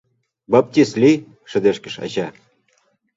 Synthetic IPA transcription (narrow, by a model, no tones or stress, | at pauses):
bap̚t̪ʲislʲi | ʃɘ̆d̪eʃkɘ̆ʃa̰ɕa